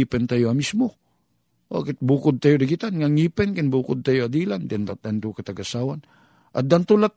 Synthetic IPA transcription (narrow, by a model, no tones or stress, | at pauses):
ipɛnt̪ajuamismu | a̰ket̪̚bukʊd̪̚t̪ajudaɡit̪anŋaŋipɛnkɛnbukud̪̚t̪ajuadilandint̪ad̪ant̪ukat̪aɡasawan | ʔa̰d̪ant̪ulat̚